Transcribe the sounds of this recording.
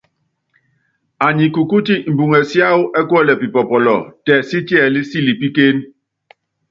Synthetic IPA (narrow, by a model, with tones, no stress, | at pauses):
a˨ɲi˨ku˨ku˦ti˦m̩˨bu˨ŋɛ˨sja˦u˦ʔɛ˦kwɛ˦˨lɛ˨pi˨pɔ˨pɔ˨lɔ˨tɛ˨si˦ti˦ɛ˨li˦si˦˨li˨pi˦ke˦n